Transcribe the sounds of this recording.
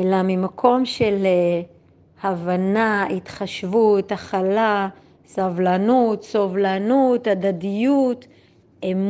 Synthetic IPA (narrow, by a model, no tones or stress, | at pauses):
elamimakʰo̞mʃele | havanait̪χaʃvut̪aχala | savlanut̪sovlanutad̪adijut | em